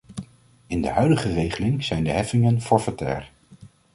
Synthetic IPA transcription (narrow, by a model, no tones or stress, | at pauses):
ɪndə̰ɦœɥdəχərejχəlɪŋz̥ɛjndəɦɛfɪŋənfɔɹfatɛ̰ːɹ